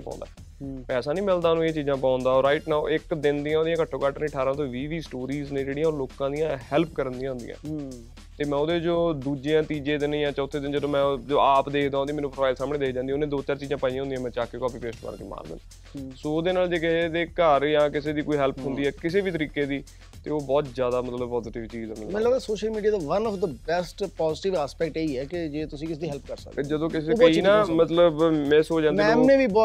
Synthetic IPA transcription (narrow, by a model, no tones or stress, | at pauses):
pã̰ːnd̪aː | pɛːsaːnĩːmɪld̪aːnũːeːt͡ʃiːzãːpãːʊnd̪aːɔɾaːɪʈnaːʊʔɪkd̪ɪnd̪ijãːoːd̪ijãːkəʈʰːõːkaʈnĩːʈʰaːɾãːt̪õːʋiːʋiːsʈoːɾiːznẽːd͡ʒeːɽijãːɔːɾloːkãːd̪ijãːhɛlp̚kəɾənd̪ĩjãɦʊ̃nd̪ijã̰ː | t̪eːmɛ̃ːʊd̪eːd͡ʒoːd̪uːd͡ʒeãːt̪iːd͡ʒẽːd̪ɪnĩːjãːt͡ʃəʊt̪ʰːeːd̪ɪnd͡ʒəd̪õːmɛ̃ːd͡ʒoːaːpd̪eːkʰd̪ãːõd̪iːmeːnũːpɾoaːɪlsaːmɽ̃eːd̪eːkʰd͡ʒãːnd̪ĩːʊnẽːd̪oːt͡ʃaːɾt͡ʃiːzãːpaːijãːʊ̃nd̪iãːmɛ̃ːt͡ʃaːkeːkɔːpiːpeːsʈba̰ːɾkḭːma̰ːɾd̪ɪ̰nː | soːd̪eːnaːld͡ʒeːkɪed̪eːkəɾjãːkɪseːd̪iːkoːiːɦɛːlpʰɦʊ̃nd̪iːɛːkɪseːbiːt̪əɾiːkeːd̪iː | t̪eːoːbɔːt̪zjaːd̪aːmət̪ləb̚pɔːziʈɪʋt͡ʃiːd͡ʒɛːmmləbsoːʃəlmiːɖiaːd̪aʋənɔfd̪əbɛsʈpɔːzɪʈɪʋaːspɛːk̚ʈeːiːɛːkɪd͡ʒeːt̪ʊsĩːkɪs̬ːd̪iɦɛːlp̚kəɾsə̰kd͡ʒəd̪õːkɪseinaːmət̪ləbmɛ̃ːsoːd͡ʒãːiɛ̃mnẽːʋiːbɔː